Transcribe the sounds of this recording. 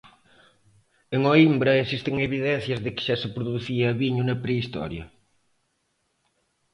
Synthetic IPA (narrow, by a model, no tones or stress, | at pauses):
eŋoimbɾɐesist̪eŋeβiðɛn̟θjɐzðɪkɪ̥ʃasepɾuðuθiɐβiɲunɐpɾeist̪ɔ̰ɾjɐ̰